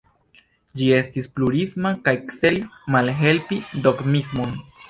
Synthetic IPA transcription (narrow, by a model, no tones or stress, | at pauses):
d͡ʒie̞stispluɾismakajkse̞lismalɦe̞lpido̞ɡmismon